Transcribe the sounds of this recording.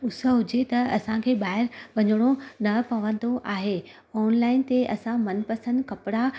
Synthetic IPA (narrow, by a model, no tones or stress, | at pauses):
ʊsə̆ɦʊd͡ʑet̪ɐɐsãkʰeːɓaːɪɾʋɐɲɽ̃onɐpɐʋə̃n̆d̪oʔaːɦeː | ɔːnlaːɪnt̪eʔɐsãmɐnpɐsə̃nd̪kɐpɪɽa